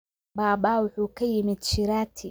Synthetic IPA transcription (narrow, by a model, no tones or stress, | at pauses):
baːbaːwʊħuːkʰɐjɪmɪd̪t͡ʃɪɾaːt̪ʰɪ